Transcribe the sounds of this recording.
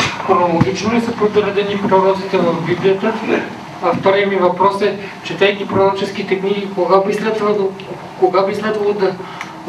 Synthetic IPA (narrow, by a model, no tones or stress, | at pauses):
xɾonolˠoɡit͡ʃnonɛsəpɾod̪oɾɛd̪ɛnimɾoɾɔzit̪ɛvɐvbiblijət̪ə | ɐft̪ɔɾijəmivɐpɾɔsɛt͡ʃɛt̪ɛjk̪ʲipɾoɾɔt͡ʃɛsk̟it̪ɛɡnikoɡabislɛd̪vɐd̪ˠo | koɡabislɛd̪vɐlˠod̪ɐ